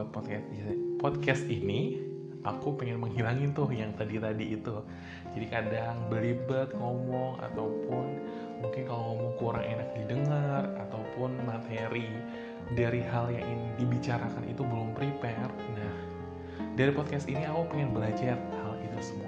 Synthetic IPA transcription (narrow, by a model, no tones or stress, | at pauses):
pɔt̪̚kɛpɔd̪̚kɛst̪ini | ʔakupɛŋɛnməŋɦilaŋit̪ʊhjaŋt̪adit̪adiːt̪u | d͡ʒadikadaŋbəlibət̪̚ŋɔmɔŋa̰t̪awpʊn | muŋkɪnkaloŋɔmɔŋkuɾa̰ŋʔenak̚didəŋarat̪awpʊnmat̪eɾi | daɾiɦaljaŋinidibit͡ʃaɾakanʔḭt̪ubəlʊmpɾipɛr | nah | daɾipɔd̪̚kɛst̪iniakupəŋɛnbəlad͡ʒar | halit̪usəmua